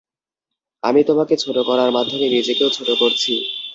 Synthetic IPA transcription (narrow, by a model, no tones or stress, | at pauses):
a̰mit̪omaket͡ɕʰoʈokɔɾaɾmad̪ʱːomenid͡ʑekeot͡ɕʰoʈokoɾt͡ɕʰi